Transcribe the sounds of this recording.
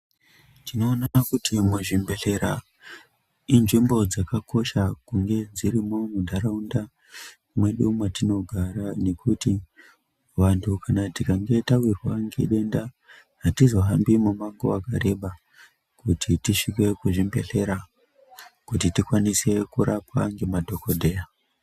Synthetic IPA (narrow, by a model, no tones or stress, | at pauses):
tino̞ːnaakutimuʐimbe̞ɬe̞ɾa | inʐimbo̞d͡zakako̞ʃakuŋɡe̞d͡ziɾimo̞mundʱaɾaunda | mwe̞ɗumwatino̞ɡʱaɾane̞kuti | ʋantʰukanatikaŋɡe̞tawirwaŋɡḛɗe̞nda | ɦatizo̞ɦambimumaŋɡowakaɾe̞ɓa | kutʰitiʃik̬we̞kuʐimbe̞ɬe̞ɾa | kutitikwanise̞kuɾapaŋɡe̞madʱo̞kodʱe̞ːja